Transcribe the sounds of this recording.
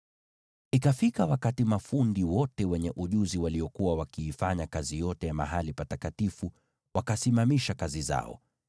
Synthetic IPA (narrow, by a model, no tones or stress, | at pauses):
ikafikawakatimafundiwɔtɛwɛɲɛʔuʄuziwaliɔkuwawakiːfaɲakazijɔtɛjama̰ɦalipatakatifu | wakasimamiʃakaziza̰ɔ̰